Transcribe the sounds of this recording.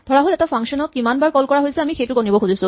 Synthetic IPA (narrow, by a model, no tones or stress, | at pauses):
dʱɔɹaɦolɛtapʰaŋkʃɔnɔkimanbaɹkɔlkɔɹaɦojsɛamixejtʊkonibɔkʰuzisʊ̃